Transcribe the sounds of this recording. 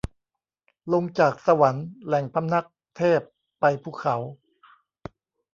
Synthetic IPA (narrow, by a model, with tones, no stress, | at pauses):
lo˧ŋt͡ɕaː˨˩k̚sa˧wa˩˦nlɛ˨˩ŋpʰa˦˧˥mna˦˥˩k̚t̪ʰeː˥˩pː | a˧jpʰuː˥˩kʰa˩˦w